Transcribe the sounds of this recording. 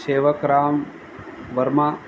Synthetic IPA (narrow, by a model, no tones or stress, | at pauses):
seːʋɐkɾaːm | ʋɐɾma